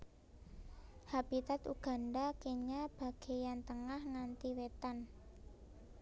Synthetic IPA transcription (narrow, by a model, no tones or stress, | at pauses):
hab̥it̪at̪ṵɡ̥a̤nɖakeɲab̥a̤ɡ̥e̤jant̪əŋahŋant̪iwet̪an